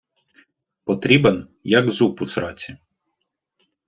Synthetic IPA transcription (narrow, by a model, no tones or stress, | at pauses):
pɔt̪ɾʲibɛnjɐɡzupʊsɾɑt͡sʲi